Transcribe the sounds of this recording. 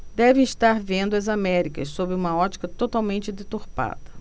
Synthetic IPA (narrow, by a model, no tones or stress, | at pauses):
d̪ɛvẽiʃt̪aɾvẽnd̪ʊɐzamɛɾikɐssobɾɪũmɐɔt͡ʃi̥kɐt̪ot̪awmẽnt͡ʃɪd̪et̪oɾpa̰d̪ɐ